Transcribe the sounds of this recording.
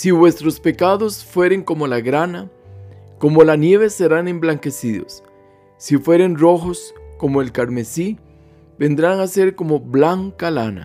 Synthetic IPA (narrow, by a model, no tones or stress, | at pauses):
siβwe̞st̪ɾo̞spe̞kaðo̞sfwe̞ɾe̞ŋko̞molaɣɾana | ko̞mo̞lanje̞βe̞se̞ɾane̞mblaŋke̞siðo̞̰sː | ifwe̞ɾe̞nro̞xo̞sko̞moelkaɾme̞si | be̞nd̪ɾaŋase̞ɾko̞mo̞βlaŋkalana̰